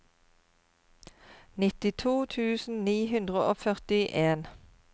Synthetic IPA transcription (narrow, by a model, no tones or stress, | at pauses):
nɪt̪ɪt̪ʰuːt̪ʰʉːsn̩niːhʉnd̪ʁəʔoːfœʁt̪ɪʔeːn